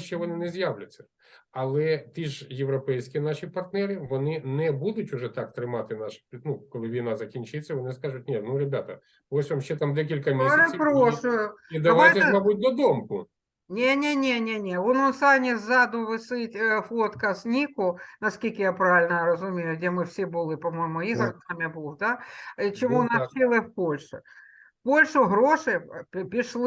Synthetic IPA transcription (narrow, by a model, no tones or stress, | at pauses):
ʃɛʋɔnɪnɛzjaʋlʲʊt͡sʲːɐ̥ | ɐlˠɛt̪iʒjeʋɾɔpɛjsʲkʲinaʃipɐrt̪nɛɾɪʋɔnɪnɛbud̪ʊtʲʊʐɛt̪ak̚t̪ɾɪmɑt̪ɪnaʃʲnukɔlˠɪʋʲinazɐkʲinʲt͡ʃɪt͡sʲːɐʋɔnɪskaʐʊt̚ʲnʲenuɾebʲat̪ɐ̰ | osʲʋamʃt͡ʃːɛt̪amd̪ɛk̬ʲilʲkɐmʲisɛpɾoʂʊjʊid̪ɐʋajtt̪ɛmɐbut̚ʲd̪ɔd̪omkʊ | nʲenʲenʲenʲenʲeononsanʲɪzad̪ʊʋɨsɨtʲflˠot̪kɐsʲnʲikʊnɐskʲilʲkɪjapɾaʋʲɪlʲnɐɾɐzʊmʲejʊdʲemɨfsʲebɨlˠɨpɐmojɪmʊizɐkd̪amʲɪbulˠd̪at͡ɕɪmunɐt͡ɕɪlˠɨfpo̞lʲʂʊ | polʲʂʊɦɾoʂɨpʲpʲɪʂlˠ